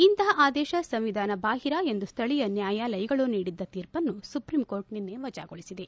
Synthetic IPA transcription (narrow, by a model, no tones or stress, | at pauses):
int̪ɐɦɐʔaːd̪ɛːʃɐsɐmʋid̪ʱaːnɐbaːɦiɾɐe̞nd̪ust̪ʰɐɭijɐnjaːjaːlɐjɐɡɐɭuniːɽid̪ːɐt̪iːɾpɐnːusupɾimko̞ːɾʈninːeʋɐd͡ʒa̰ːɡoɭisid̪e̞